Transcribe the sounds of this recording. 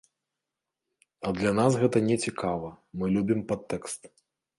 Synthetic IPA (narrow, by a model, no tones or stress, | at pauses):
ɐd̪lʲanasɣɛt̪ɐnʲɛt͡sʲikʰavɐmɨlʲubʲimpat̪ːɛkst̪